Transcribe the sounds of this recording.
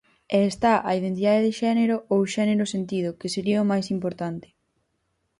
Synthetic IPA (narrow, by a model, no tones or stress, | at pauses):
ɛːst̪aʔɐiðent̪̬iðaðeðɪʃɛneɾʊowʃɛneɾʊsent̪ið̞ʊkɪseɾiɐʊmajsimpoɾt̪ant̪ɪ̥